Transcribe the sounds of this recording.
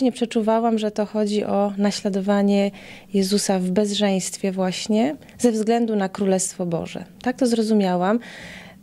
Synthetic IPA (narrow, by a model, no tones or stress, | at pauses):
ɲɛpʂɛt͡ʂuvawamʐɛt̪ɔxɔd͡ʑiʔɔnaɕlad̪ɔvaɲɛjɛzusavbɛzʐɛj̃st̪fʲjɛvwaɕɲɛ | zɛvzɡlɛnd̪unakɾulɛst̪fɔbɔ̰ʐɛ̰t̪ak̚t̪ɔzɾɔzumʲjawam